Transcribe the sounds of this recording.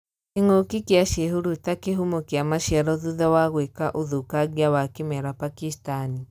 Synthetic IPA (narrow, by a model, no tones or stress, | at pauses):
keŋokikeaʃeɦuɾutakeɦumokeamaʃjaɾɔðuðɛwaɣwekaʔoðukaɣjawakemɛɾapakistani